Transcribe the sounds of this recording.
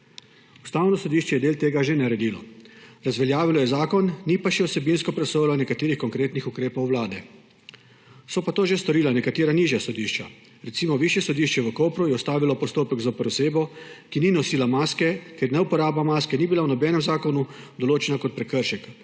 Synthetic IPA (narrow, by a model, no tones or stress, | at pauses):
u̥st̪aːwnɔsɔd̪iːʃt͡ʃɛjɛd̪eːlt̪eːɡaʒenaɾɛd̪iːlɔɾazʋɛljaːʋilɔjɛzaːkɔnːipaʃɛɔsɛbinskɔpɾɛsoːjlɔnɛkat̪eːɾixkɔŋkɾeːt̪nixukɾeːpɔwwlaːd̪ɛ | sɔpat̪oːʒest̪ɔɾiːlanɛkat̪eːɾaniːʒjasɔd̪iʃt͡ʃa | ɾɛt̪siːmɔʋiːʃjɛsɔd̪iʃt͡ʃɛʋəkoːpɾujɛɔst̪aːʋilɔpɔst̪oːpəɡzopəɾoseːbɔkininɔsiːlamaːskɛkɛɾnɛupɔɾaːbamaːskɛnibilawnɔbɛːnɛmzaːkɔnu | d̪ɔloːt͡ʃɛnakɔt̪̚pɾɛkəɾʃɛk